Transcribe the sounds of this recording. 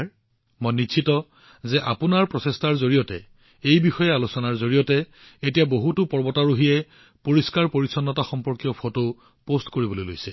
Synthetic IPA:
ɹ | mɔjniitɔ | zɛʔapʊnaɹpɹɔsestaɹzoɹijɔtɛ̰ | ejbixɔjɛalusɔnaɹzoɹijɔtɛ | etijaboɦutʊpɔɹbɔtaɹuɦiɛ | poɹiskaɹpoɹisɔnːɔtaxɔmpɔɹkijɔpʰoto | postkoɹibɔlojlo̰jsɛ

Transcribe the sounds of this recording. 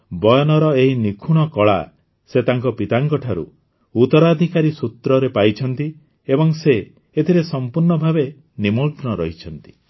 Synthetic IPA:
bɔjɔnɔɾɔeɦinikʰuɽ̃ɔkɔɭa̰ | set̪aŋkɔpit̪aŋkɔʈʰaɾṵ | ut̪ɔɾad̪ʱikaɾisut̪ɾɔɾepajt͡ʃʰɔnt̪i | ebɔŋseː | t̪ʰiɾesɔmpuɾɳɔbʱabe | nimuɾknɔɾɔɦit͡ʃʰɔnt̪i̥

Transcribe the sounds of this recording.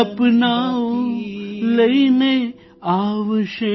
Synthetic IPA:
ɐpnaː | lɐjne | aːʋɐʂe

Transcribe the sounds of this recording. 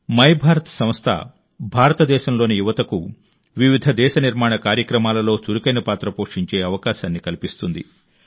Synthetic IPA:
mɐjbʱaːɾɐt̪ɐ̥sɐm̃st̪ʰɐ̰ | bʱaːɾɐt̪ɐd̪ɛːʃɐmlo̞ːnijuʋɐt̪ɐku | ʋiʋid̪ʱɐd̪ɛːʃɐniɾmaːɳɐkaːɾjɐkɾɐmaːlɐlo̞ːt͡ʃuɾukɐjnɐpaːt̪ɾɐpoːʂiɲt͡ʃe̞ːɐʋɐkaːʃaːnːikɐlipist̪und̪ḭ

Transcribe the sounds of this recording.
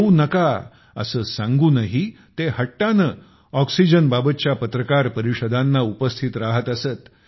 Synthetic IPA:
unəka | ə̰səːsãŋɡuːnaɦi | t̪ehəʈːanəː | ɔksid͡ʑənbabət̪̚t͡ɕjapət̪ɾəkaɾpəɾiɕəd̪ʱanːaupəst̪ʰit̪ɾaɦət̪əsət̪

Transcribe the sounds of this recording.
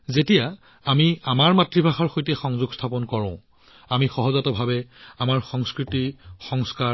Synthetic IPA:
zetija | amiamaɹmatɹibʱaxaɹxojtɛxɔŋzuɡstʰapɔnkɔɹɔ̃ʊ̃ | amixɔɦɔzatɔbʱabɛamaɹxɔŋskɹitixɔŋska

